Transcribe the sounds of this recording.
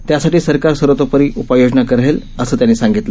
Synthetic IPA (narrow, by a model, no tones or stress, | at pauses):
t̪jasaʈiːsəɾkaɾsəɾot̪opəɾiːʔupəjod͡ʑnakəɾel | əsəːt̪janːiːsaŋɡit̪lə